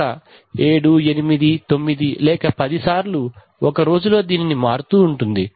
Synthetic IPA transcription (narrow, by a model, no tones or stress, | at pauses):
ɐ | e̞ːɽue̞nimid̪it̪o̞mːid̪ilɛːkɐpɐd̪isaːɾlu | ɔkɐɾo̞ːd͡ʒulo̞ːd̪iːninimaːɾut̪uːɳʈund̪i